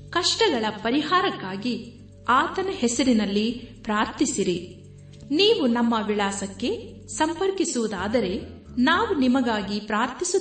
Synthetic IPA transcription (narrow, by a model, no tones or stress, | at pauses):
kɐʂʈɐɡɐɭɐpɐɾiɦaːɾɐkːaːɡi | aːt̪ɐnɐɦɛsɐɾinɐlːipɾaːɾt̪isiɾi | niːʋunɐmːɐʋiɭaːsɐkːe̞ | sɐmpɐɾkisuʋud̪aːd̪ɐɾe̞ | naːʋunimɐɡaːɡipɾaːɾt̪ʰisu